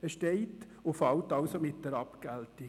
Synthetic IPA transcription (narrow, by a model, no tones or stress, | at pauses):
əʃtɛɪt | ʊfɑwtɑʊsomɪt̚dɛɾɑpkælti